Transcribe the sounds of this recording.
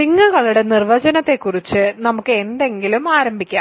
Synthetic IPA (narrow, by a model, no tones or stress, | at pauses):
iŋːuɣɐɭuɽe̞nirʋɐd͡ʑɐnɐt̪ːe̞kːurit͡ɕːɨnɐmukːɨe̞nd̪e̞ŋɡilumaːɾɐmbʱikʲːa̰ː